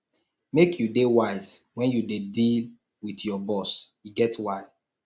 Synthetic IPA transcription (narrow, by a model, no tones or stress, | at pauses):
mekʰjudewaɪz̥wɛ̃njudedil | widjɔbɔsjuɡɛtwaɪ